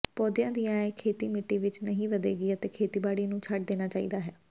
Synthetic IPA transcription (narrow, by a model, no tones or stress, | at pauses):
pɔːd̪jãːd̪ijãːeːkʰeːt̪iːmɪʈːiːʋɪt͡ʃnəɦĩːʋəd̪ḛːɡiːət̪eːkʰeːt̪iːbaːɽiːnũːt͡ʃʰaʈ̚d̪eːnaːt͡ʃaːḭːd̪aːɦɛː